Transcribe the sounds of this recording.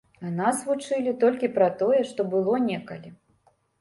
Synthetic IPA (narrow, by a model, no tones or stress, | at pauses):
anasvut͡ʂɨlʲit̪ɔlʲkʲipɾɐt̪ɔjɛʂt̪ɔbɨlˠɔnʲɛkɐ̰lʲi